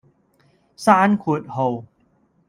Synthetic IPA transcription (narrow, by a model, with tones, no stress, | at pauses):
sa˥˧ʔa˦nkʰu˨˩˨t̪̚ho˨˩w